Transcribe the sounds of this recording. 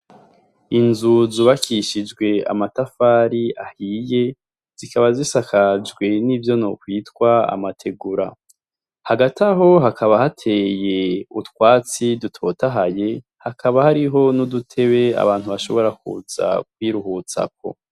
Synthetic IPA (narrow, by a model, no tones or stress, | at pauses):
inzuzuβakiʃid͡ʒɡwe̞a̰matafaːɾiahiːje̞ | z̥ikaβazisakʰad͡ʒɡwe̞nivjo̞nokwiːtwaa̰matʰe̞ɡuɾa̰ | haɡatʰaɦo̞ɦakʰaβahatʰe̞je̞utkwaːt͡sidutʰo̞taɦaje̞ | hakʰaβahaɾiɦo̞nudutʰe̞βe̞a̰βaːn̥huβaʃo̞βo̞ɾakṵz̥a̰k̚wiːɾuɦut͡sa̰k̚o̞̰